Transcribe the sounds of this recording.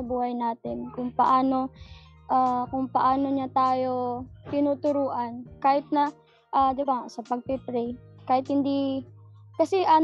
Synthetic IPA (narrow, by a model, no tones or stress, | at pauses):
ɐbuːhɐjnaːt̪ɪnkʊŋpɐ̰ʔaːno̞ | ʔakʊŋpɐʔaːno̞ɲat̪aːjo̞t̪ɪnuːt̪ʊɾuːʔɐnkaːhɪt̪̚nɐ | ʔaːd̪ɪbaŋasɐpɐɡ̚pɪpɾɛjkaːhɪt̪̚hɪnd̪i | kɐsɛʔa